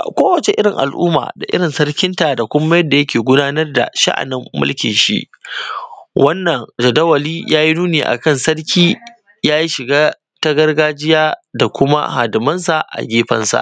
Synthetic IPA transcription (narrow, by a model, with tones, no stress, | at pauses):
kʷoː˦wɐ˨t͡ʃe˨ʔɪ˦ɽɪ˨ŋʔa̰˨lʔṵː˦ma̰ː˨da˨ʔɪ̰˦ɽɪ˨nsɐ˦rkʲɪ˦nta˨da˨kʷʊ˦mːɐ˦jɐ˦dːa˨jɐ˦kʲeː˨ɡʷʊ˦daː˦nɐ˦rda̰˨ʃa̰˦ʔa̰˨nɪ˦mːʊ̰˦lkʲɪ̰˨nʃḭ˦ʔ | wʔɐ˦nːɐ˨ŋd͡ʒɐ˨dɐ˦wɐ˨liː˦jʔaː˦ji˦nuː˦neː˨ʔa̰˨kɐ˦˨nsɐ˦rkʲiː˦ | jaː˦ji˦ʃɪ˨ɡaː˦ | ta˦ɡɐ˦rɡaː˦d͡ʒɪ˦jaː˦da˨kʷʊ˦ma̰˦haː˨dɪ˨mɐ˦nsa˨ʔa̰˨ɡʲeː˦ɸɐ̰˦nsa̰˨ʔ